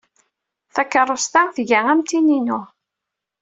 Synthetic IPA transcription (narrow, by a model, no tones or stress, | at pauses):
θækːərˤːost̪aθʝæʁæmt̪ininʊ